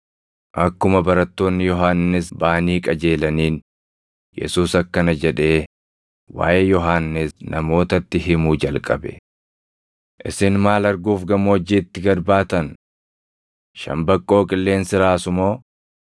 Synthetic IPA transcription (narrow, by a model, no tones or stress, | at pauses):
ʔɐkːʊmɐbɐɾɐt̪ːo̞ːnːɪjɔɦaːnːɪsbaːniːkʼɐd͡ʒe̞ːlɐniːn | jɛ̰suːsɐkːɐnɐd͡ʒɛᶑe̞ː | wa̰ːjʔeːjɔɦaːnːɪsnɐmo̞ːt̪ɐt̪ːɪɦɪmuːd͡ʒɐlkʼɐbɛ̥̰ | ʔɪsɪnmaːlɐɾɡuːfɡɐmɔd͡ʒiːt̪ːɪɡɐɾbaːt̪ɐn | ʃɐ̰mbɐkʼːo̞ːkʼɪlːe̞ːnsɪɾaːsʊmo̞ː